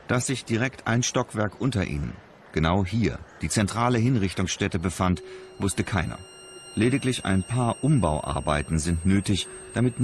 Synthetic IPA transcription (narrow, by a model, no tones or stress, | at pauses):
d̥asz̥ɪçd̥iʁ̞ɛktʔa̰ɪnʃtɔkv̥ɛɐkʔʊntɐʔḭːnə̰n | ɡ̥ənaʊɦiːɐd̥iːt͡sɛntʁ̥aːləɦɪnʁɪçtʊŋsʃtɛtəbəfantvʊstəkʰaɪnɐ̰ | leːdɪklɪçʔa̰ɪnpʰaːɐʔʊmbaʊʔa̰ɐbaɪtn̩zɪntnøːtɪçd̥amɪtn